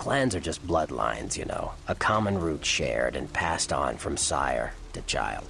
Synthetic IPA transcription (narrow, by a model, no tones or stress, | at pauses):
kʰl̥æ̃ndzə˞d͡ʒʌs̚b̥lʌdˡlã̰ɪ̃nz̥jɨ̰no̰ʊəkʰɑmə̃nɹutʃɛ̰ɹɾɨ̃npʰæstn̩fɹʌ̃msa̰ɪə̰˞ | ɾɨt͡ʃʰa̰ɪlˠd̥̚